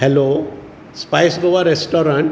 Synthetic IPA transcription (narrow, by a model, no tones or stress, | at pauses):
hɛloː | spaɪsɡoʋaɾesʈɔːɾãɳʈ